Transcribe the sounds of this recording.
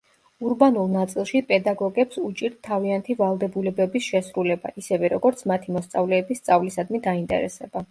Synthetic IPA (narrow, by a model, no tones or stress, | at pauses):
uɾbanulˠnat̪sʼilˠʃipʼɛd̪aɡɔɡɛpsut͡ʃʼiɾd̪t̪ʰːaviant̪ʰivalˠd̪ɛbulɛbɛbisʃɛsɾulɛba̰ʔisɛvɛɾɔɡɔɾt̪sʰmat̪ʰimɔst̪sʼavlɛːbisːt̪sʼavlisad̪mid̪aint̪ʼɛ̰ɾɛ̰sɛba